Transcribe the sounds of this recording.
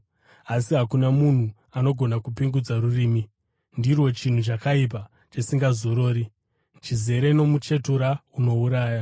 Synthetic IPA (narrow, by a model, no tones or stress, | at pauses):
asiɦakunamun̤u | ano̞ɡʱo̞nakupiŋɡud͡zaruriːmi | ndirwo̞t͡ʃin̤ut͡ʃakaip̬a | t͡ʃisiŋɡazo̞ɾo̞ːɾi | t͡ʃize̞ɾe̞no̞mut͡ʃe̞tuɾauno̞uɾaːja